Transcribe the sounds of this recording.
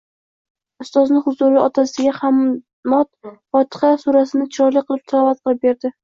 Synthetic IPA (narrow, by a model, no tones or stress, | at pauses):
ʊst̪ɒznɪhʊzʊɾɪɒt̪ʰasɪɡʲaham | mɒt̪fɒt̪ʰɨ̥χasuɾasɪnɪt͡ʃʰɪɾɒɾlijqʰɨlˠɪp̚t̪ʰlavat̪̚qʰɨlˠɪp̚be̞ɾd̪ɪ